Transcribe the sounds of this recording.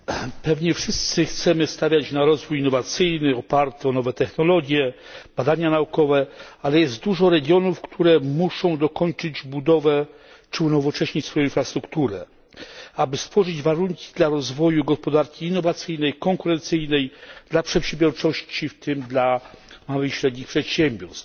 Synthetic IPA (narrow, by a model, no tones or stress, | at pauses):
pɛvɲɛfʂɘst̪sɘxt̪sɛmɘst̪avʲjat͡ɕnaɾɔzvujinːɔvat̪sɘjnɘɔpaɾt̪ɛɔnɔvɛt̪ɛxnɔlɔɡʲjɛb̥ad̪aɲanaukɔvɛalɛjɛst̪̚d̪uʐɔɾɛɡʲjɔnufkt̪ʰuɾɛmuʂɔ̃w̃d̪ɔkɔɲt͡ʂɘd͡ʑbud̪ɔvɛ | t͡ʂɘunɔvɔt͡ʂɛɕɲit͡ɕsfɔjɔ̃infɾast̪ɾukt̪uɾɛ̰ | abɘst̪fɔʐɘd͡ʑvaɾuŋkʲi̥d̪laɾɔzvɔjuɡɔspɔd̪aɾkʲiːnːɔvat̪sɘjnɛjkɔŋkuɾɛnt̪sɘjnɛjd̪̥lapʂɛpɕɛmbjɔɾt͡ʂɔɕt͡ɕift̪ʰɘmd̪lamawɘxɕɾɛd̪ɲixpʂɛt̪ɕɛmʲbʲjɔɾst̪